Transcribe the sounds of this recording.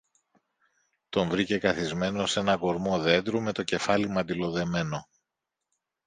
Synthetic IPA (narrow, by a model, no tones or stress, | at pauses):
t̪o̞ɱvɾice̞kɐθizme̞no̞se̞nɐɡo̞ɾmo̞ðe̞nd̪ɾume̞t̪o̞ce̞fɐlimɐd̪ilo̞ðe̞me̞no̞